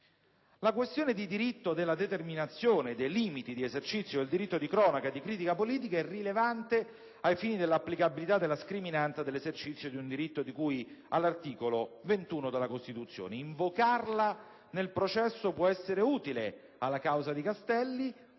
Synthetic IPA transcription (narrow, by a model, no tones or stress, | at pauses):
lakwest̪joːned̪id̪iɾit̪ːod̪elːad̪et̪erminat̪sːjoːned̪ejliːmit̪id̪iezert͡ʃit̪sjoeld̪iɾit̪ːod̪ikɾɔːnakad̪ikɾiːt̪̬ikapoliːt̪ikaɛrilevant̪e | ajfiːnid̪elːapːlikabilit̪ad̪ːelːaskɾiminant̪sad̪elːezert͡ʃit̪sːjod̪iund̪iɾit̪ːod̪ikujalːart̪iːkolovent̪uːnod̪elːakost̪it̪ut̪sːjo̰ːneiɱvokarla | nelpɾot͡ʃɛsːopwɔɛsːeɾeuːt̪ile | alːakawzad̪ikast̪ɛlːi